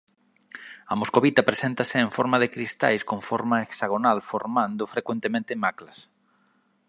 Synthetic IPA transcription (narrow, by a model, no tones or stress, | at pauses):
ɐmoskoβit̪ɐpɾesent̪ɐsɪeɱfɔɾmɐðekɾist̪a̰jskoɱfɔɾmɐeksaɣ̞onalfoɾmãnd̪ʊfɾekwent̪emẽnt̪ɪmaklɐs